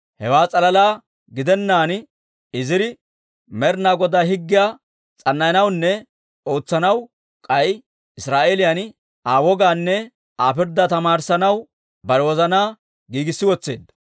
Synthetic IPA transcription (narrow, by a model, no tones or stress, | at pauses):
hɛwaːt͡sʼɐlɐlaː | ɡɪd̪ɛnːaːn | ɪzɪɾɪ | mɛɾnaːɡɔd̪aːhɪɡːɪja | t͡sʼɐnːɐjɐnɐwnːɛ | o̞ːt͡sːɐnɐw | kʼɐj | ɪsɾaːʔeːlɪjɐn | aːwɔɡaːnːɛ | aːpɪɾd̪ɐt̪ɐmaːɾsɐnɐw | bɐɾɛwɔzɐnaː | ɡiːɡɪsːɪwɔt͡sːe̞̰ːd̪ːɐ̥